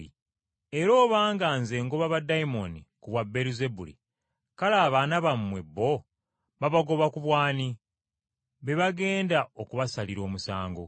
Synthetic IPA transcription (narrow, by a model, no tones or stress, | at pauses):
i | e̞ɾo̞ːβaːŋɡaːnze̞ːŋɡoβaβadaimo̞nikuβwabːe̞ɾize̞bulḭ | kalaːβaːnaβamwe̞bːo̞ | βaβaɡo̞βakuβwaːni | βe̞βaɡe̞ːndaokuβasaliɾo̞ːmusaːŋɡo̰